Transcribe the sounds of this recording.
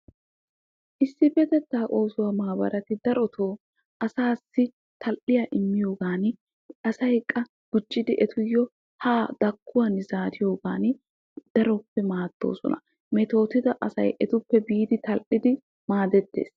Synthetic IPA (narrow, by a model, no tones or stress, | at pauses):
ʔɪsːɪbɛt̪ɛt̪ːaːʔo̞ːsʊwamaːbɐ̰ɾɐt̪ɪd̪ɐɾɔt̪ʰo̞ː | ʔɐsaːsːɪ | t̪ʰɐlʔɪjaʔɪmːɪjo̞ːɡaːn | ɐsɐjkʼːɐ | ɡ̥ʊt͡ʃʼːɪd̪ɪʔɛt̪ʰʊjːɔ | haːd̪̥ɐkːʊwɐnzaːd̪ɪjo̞ːɡaːn | d̪̥ɐɾɔpːɛmaːd̪̥ːo̞̰ːsɔ̰nɐ̰ | mɛt̪o̞ːt̪ɪd̪ɐʔɐsɐ̰jʔɛt̪ʊpːɛbiːd̪ɪt̪ɐlʔɪd̪ɪ | maːd̪ɛt̪ːe̞̰ːs